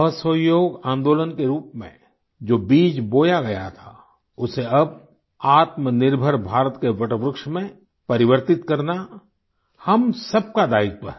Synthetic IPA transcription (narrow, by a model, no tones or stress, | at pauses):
əsəjoːɡãːnd̪oːlənkeɾuːpmḛ̃ | d͡ʒoːbiːd͡ʒboːjaɡɐja̰t̪ʰa | ʊseɐb̚ | aːt̪mənɪɾbʱəɾbʱaːɾət̪keʋɐʈəʋɾʊkʃmẽ | pɐɾɪʋəɾt̪ɪt̪kɐɾna | hɐmsɐb̚kad̪aːɪɡ̚pə̰ɾ